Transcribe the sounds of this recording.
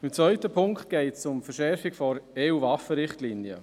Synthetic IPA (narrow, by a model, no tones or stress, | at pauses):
ɪmt͡svœʏtəpʰʊŋkt̪̚ɡ̥ɛɪtsʊmfəɾʃɛɾfiɡ̥fɔɾeːuːvɑfəɾɪχtliːnjə̰